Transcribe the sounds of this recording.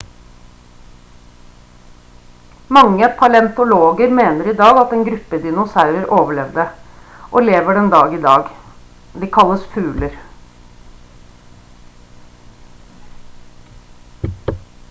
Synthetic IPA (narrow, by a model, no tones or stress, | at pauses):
mɑŋːəpʰɑlɛnt̪ʊloːɡəɾmeːnəɾiːd̪ɑːɡɑt̪eːnɡɾʉpːəd̪ɪnʊsɑʉɾəɾʔoːʋəɭɛʋd̪əʔoːleːʋəɖɛnd̪ɑːɡiːd̪ɑːɡ | d̪iːkʰɑlːəsfʉːləɾ